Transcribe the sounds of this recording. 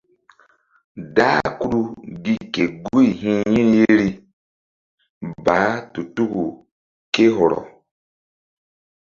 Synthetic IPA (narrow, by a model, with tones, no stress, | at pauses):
daː˦ku˦ɾu˦ɡi˦ke˨ɡu˦i˨ɦĩ˦jĩ˦n˦je˦ɾi˧ | baː˨˦tu˨tu˦ku˨ | ke˦ɦɔ˨ɾɔ̰˨